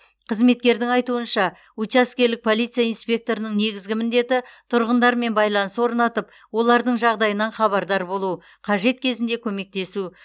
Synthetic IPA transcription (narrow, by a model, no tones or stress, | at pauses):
qʰəzme̞t̪̚kʲe̞ɾd̪ɪŋɑjt̪uənʃɑ | ut͡ʃaskʲe̞ɾlɪk̚pʰo̞lˠijt̪sɨjainspʲe̞k̚t̪o̞ɾənəɴne̞ɡʲɪzɡʲɪmɪnd̪e̞t̪ɪt̪ʰʊɾʁənd̪ɑɾme̞nbɑjlˠɑnəswo̞ɾnɑt̪əp | wo̞lˠɑɾd̪əɴʒɑʁd̪ɑjənɑnχɑβɑɾd̪ɑɾbo̞lˠu | qʰɑʒe̞t̪̚kʲʰe̞zɪnd̪e̞kʲʰɵme̞k̚t̪e̞su